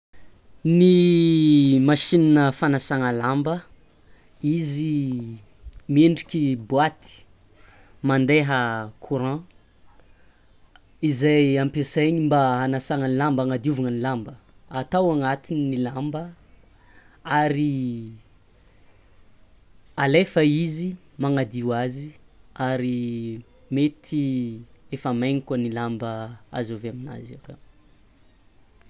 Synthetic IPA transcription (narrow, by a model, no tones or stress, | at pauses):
ni | maʃinanəfanasaŋəlambə | izi | meɳɖ͡ʐikʲibuat̪i̥ | mand̪eɦəkʰuɾã | izajampeseɲimbaɦanasaŋənilambaŋad̪uvaŋənilambə | at̪awaŋat̪ininilambə | aɾi | alefəizimaŋad̪iwaziaɾi | met̪ʰiefamajɲikanilambəa̰zoveamina̰zḭkə